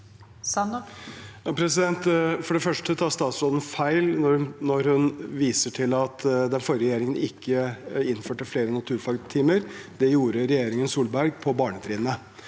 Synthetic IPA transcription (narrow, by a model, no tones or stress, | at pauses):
sɑn | jɑpʰɾɛsɪd̪ɛnt̪fɔɖɛfœʂʈət̪ʰɑːst̪ɑːt̪sɾɔd̪ən̩fæɪlnɔnɔɾhʉnʋiːsəʈʰɪlɑt̪d̪ɛnfɔɾəɾɛjeːɾɪŋənɪkʰːəɪnːføːʈəfleːɾənɑt̪ʰʉːɾfɑɡ̪t̪ʰiːməɾd̪̥ɛjuːɾəɾɛjeːɾɪŋənsuːlbæɾɡpʰɔbɑːɳət̪ʰɾiːd̪nə